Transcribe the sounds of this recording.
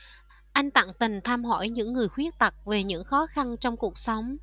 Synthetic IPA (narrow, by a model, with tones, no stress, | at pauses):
ʔa˧jŋ̟t̪a̰ː˧˨ŋt̪ï˨˩ŋ̟t̪ʰaː˧mɦo̰˧˥jɲɨ̰˧˥ŋːɨ˨˩əjxwi˦˥ək̚t̪ə˨˩k̚ve˨˩ɲɨ̰˧˥ŋxɔ˨˦xa˧nt͡ɕɔ˧wŋ͡mku˨˩ək̚sa˨˦wŋ͡m